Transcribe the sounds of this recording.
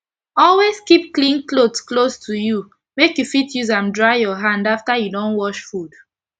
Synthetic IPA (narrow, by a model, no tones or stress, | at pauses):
ɔlwezkip̚klĩŋklodsklostʰuju | mekjufitjuzãmdɹaɪjɔɦãndaftajudɔ̃nwɔʃfud̥